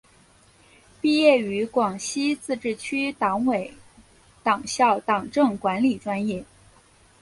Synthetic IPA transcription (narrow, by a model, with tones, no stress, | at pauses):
pi˥˧jɛ˥˩y˧˥kwɑ˨˩ŋɕi˥t͡sɹ̩˥˧ʈ͡ʂɻ̩˥˩t͡ɕʰy˥t̪ɑ˧˥ŋwe˨˩˦ɪ | t̪ɑ˨˩ŋɕjɑ˥˩ʊt̪ɑ˨˩ŋʈ͡ʂɤ˥˩ŋkwa˧˥nli˨˩ʈ͡ʂwa˥njɛ˥˩